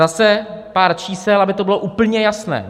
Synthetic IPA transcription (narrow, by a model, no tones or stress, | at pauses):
asɛpaːɾt͡ʃiːsɛlabɪt̪obɪlo̞ʔuːpl̩ɲɛjasnɛ̰ː